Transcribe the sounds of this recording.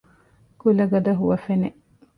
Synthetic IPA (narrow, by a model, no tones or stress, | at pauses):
kulɐɡɐd̪ɐɦuʋɐfene